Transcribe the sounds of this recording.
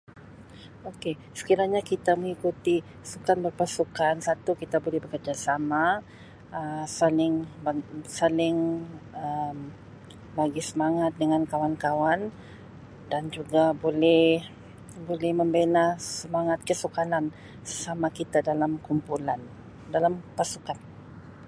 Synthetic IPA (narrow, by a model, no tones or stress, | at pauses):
oke | sə̥kiɾaɲakit̪aməŋikut̪i | sukanbərpasukansat̪ukit̪abolɛhbəkərd͡ʒasama | əsalɪŋbasalɪŋəm | baɡisəmaŋat̪̚dəŋankawankawan | dand͡ʒuɡabolɛh | bolɛhməmbenasəmaŋat̪̚kəsukalan | səsamakit̪adalamkumpulan | dalampasukan